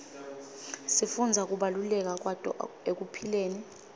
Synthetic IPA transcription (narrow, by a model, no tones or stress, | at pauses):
sifund͡zʱak̬ʼuɓalulɛk̬ak̬watʼɔ̰ek̬upʰileːni